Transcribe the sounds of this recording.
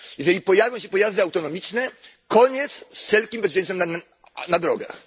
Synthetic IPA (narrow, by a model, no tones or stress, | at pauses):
jɛʐɛlʲipɔjavʲjɔ̃w̃ɕɛpɔjazd̪ɨawt̪ɔnɔmʲit͡ʂnɛkɔɲɛt̪sssɛlkʲimbɛzvʲɛ̃nɛmn | nad̪ɾɔɡa̰x